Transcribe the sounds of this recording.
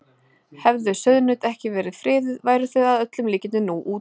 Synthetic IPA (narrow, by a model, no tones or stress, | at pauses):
hɛvðʏsœðnʏːt̪ɛhcɪvɛːɾɪð̥fɾɪːðɪðvaːjɾʏθœɣaðœt̪lʏmliːcɪnɪnuːʔuː